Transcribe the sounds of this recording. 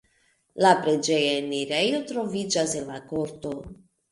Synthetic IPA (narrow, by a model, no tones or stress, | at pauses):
lapɾed͡ʒejaeniɾejot̪ɾo̞vid͡ʒasenlakoɾt̪o